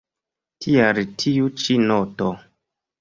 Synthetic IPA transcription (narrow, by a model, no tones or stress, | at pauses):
tʰiaɾitʰiut͡ʃinɔto